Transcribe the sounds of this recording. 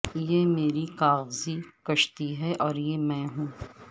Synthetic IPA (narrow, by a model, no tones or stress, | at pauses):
jeːmeːɾikaːɣzikɐʃt̪iɦɛʔɔːɾjeːmɛ̃ːɦũː